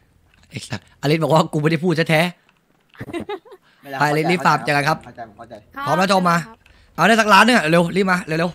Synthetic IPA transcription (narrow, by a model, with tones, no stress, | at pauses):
a˨˩ʔaː˧li˦˥bɔː˨˩k̚waː˥˩ku˧ma˧˥˩da˧˥˩pʰuː˥˩t̪̚ʰa˦˥t̪ʰɛː˦˥ | pa˧jʔa˧li˦˥li˦˥faː˧˩m̚t͡ɕːaː˨˩ka˧ŋkʰa˦˥p̚ | t̪ʰɔː˨˦mlɛː˦˥˩t͡ɕʰːmaː˧ | ʔaː˧˩wdaː˥˩sa˦˧k̚laː˦˥nːɯ˧˥ŋa˨˧le˧wli˦˥maː˧le˧le˧w